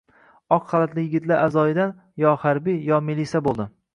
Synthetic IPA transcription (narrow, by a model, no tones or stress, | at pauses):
ɒqχɑlˠat̪lɪjɪɡʲɪt̪laɾʔazɒjɪd̪an | jɒhaɾbijɒmilisabolˠd̪ɪ